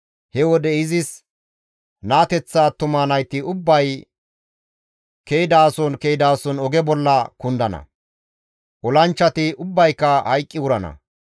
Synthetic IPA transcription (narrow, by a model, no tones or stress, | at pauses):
hɛwɔd̪ɛɪzɪs | naːt̪ɛt͡sːaːt̪ʊmaːnɐjt̪ːɪʊbːɐj | kejɪd̪aːsɔnkejd̪aːsɔnɔɡɛbɔlːɐkʊnd̪ɐnɐ̰ | ʔɔlɐnt͡ʃːɐt̪ɪʊbːɐjkːɐhɐjkʼːɪwʊɾɐnɐ̰